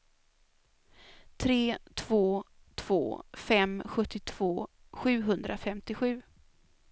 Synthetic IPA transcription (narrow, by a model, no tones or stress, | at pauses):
t̪ʰɾeːt̪ʰv̥oː | t̪ʰv̥o̰ːfɛmɧɵt̪ːɪt̪ʰv̥oː | ɧʉ̟ːɦɵnd̪ɾafɛmt̪ɪɧʉ̟ː